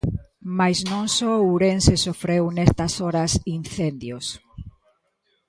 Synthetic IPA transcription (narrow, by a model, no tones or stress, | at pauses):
majznõŋsɔuɾensesofɾewnest̪ɐsoɾasinθend̪jos